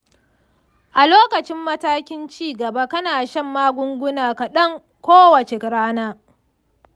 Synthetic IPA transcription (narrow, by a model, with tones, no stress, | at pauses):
ʔa˨loː˦kɐ˨t͡ʃɪ˦mːɐ˦taː˦kʲɪ˦nt͡ʃiː˦ɡɐ˨ba˦kɐ˦naː˨ʃɐ˦˨mːaː˦ɡʷʊ˦ŋɡʷʊ˦naː˨kɐ˨ɗɐ˦ŋ | kʷoː˦wɐ˨t͡ʃe˨kɾaː˦naː˦